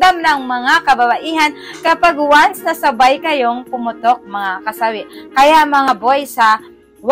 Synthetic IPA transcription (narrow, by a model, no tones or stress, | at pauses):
amnɐŋmɐŋakɐbabaʔiːɦɐnkɐpaɡwansɐsɐbajkɐjoŋpʊmʊt̪ok̚mɐŋakɐsawɪʔkɐjamɐŋabojsɐ | w